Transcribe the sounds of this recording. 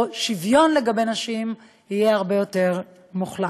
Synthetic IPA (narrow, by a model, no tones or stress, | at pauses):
ʃivjo̞nle̞ɡabe̞naʃim | ijeaʁbejo̞te̞ʁ | muχla